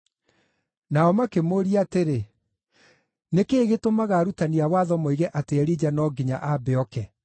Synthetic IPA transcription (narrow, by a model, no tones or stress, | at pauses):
naɔmakemoɾiateɾe | nekeːɣetomaɣaɾutaniawaðɔmoiɣɛʔateɛɾid͡ʑanɔːɡiɲa̰ʔabɛɔkɛ